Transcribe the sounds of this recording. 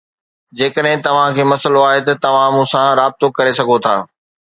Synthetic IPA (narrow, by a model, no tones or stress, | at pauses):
d͡ʑeːkəɗɦɪ̃t̪ɐʋ̤ãkʰeːmɐsəloaːɦet̪ɐt̪ɐʋ̤ãmũːsãɾaːb̚t̪okɐɾesɐɡʱot̪ʰa̰ː